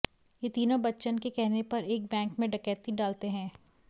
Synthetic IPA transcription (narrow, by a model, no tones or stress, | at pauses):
jet̪iːnõbɐtːʃənkekɛɦnepɐɾeːk̚bɛ̃ːŋkmẽɖɐkɛːt̪iɖaːlt̪eɦɛ̃ː